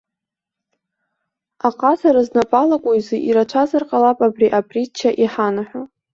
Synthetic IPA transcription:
aqʼazʰaɾaznapʼalakʷʼoizɨʔiɾat͡ʃʷʰazarqʼalapʼabriʔapʼrit͡ʃʰːaʔiħanaħʷᶣo

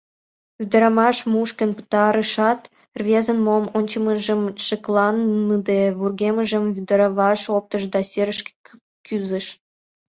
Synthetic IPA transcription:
yd̪əɾɑmɑʃmuʃkə̆npə̥t̪ɑɾəʃɑt̪ | rβʲezə̆nmomonʲt͡ɕəməʒə̆mʃəklɑnːɯd̪eβurɡeməʒə̆mvyd̪əɾɑβɑʃop̚t̪əʃd̪ɑsʲeɾəʃk | kyzə̆ʃ

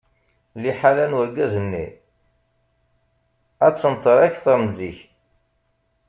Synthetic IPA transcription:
liħalænwəɾɡæzənːḭ | æt͡sːənt̪ˤəɾˤæçθəɾmziç

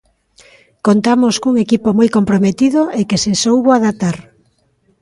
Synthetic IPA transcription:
kont̪amoskuŋekipomojkompɾomet̪iðoʔekesesowβoaðat̪aɾ

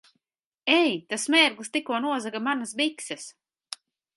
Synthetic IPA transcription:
ɛjt̪asmɛːɾɡlˠst̪ikuɔnuɔzakamanasbiksɨs

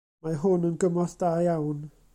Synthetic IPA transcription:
maɦʊnənɡəmɔθd̥aːjawn

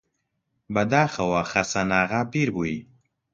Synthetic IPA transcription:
bɐd̪aːxɐwaxɐsanaːɣapiːɾbui

